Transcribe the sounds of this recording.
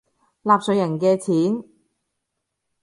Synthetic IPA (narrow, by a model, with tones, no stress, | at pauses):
laː˨p̚sɵ˨˧jɐ˨˩nkɛː˧t͡sʰiː˨˥n